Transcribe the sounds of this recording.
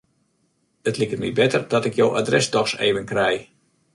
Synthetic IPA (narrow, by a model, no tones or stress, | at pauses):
ətlikərmḭbɛtərdɔtɪkjoːwʔa̰drɛsdɔxsḛːʋənkrɛj